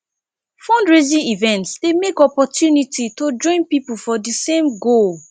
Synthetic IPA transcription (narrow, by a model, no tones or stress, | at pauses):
fõndɹezĩivɛ̃ntsdemekɔpɔtjunititod͡ʒɔ̃ɪ̃npipufɔdisẽmɡol